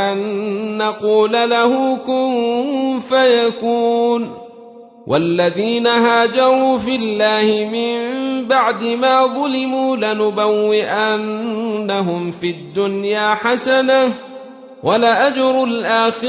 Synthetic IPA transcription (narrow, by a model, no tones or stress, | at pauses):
ʔanːɑquːlalahʊkʊmfajakuːn | wʔa̰lːaðiːnaɦaːd͡ʒɑɾˤuːfɪlːaːhɪmɪmbaʕd̪ɪmaːðˤɑlɪmuːlanʊbawːɪʔanːaɦʊmfid̪ːʊnjaːħasana | wʔalaʔad͡ʒɾˤʊlʔaːxɪ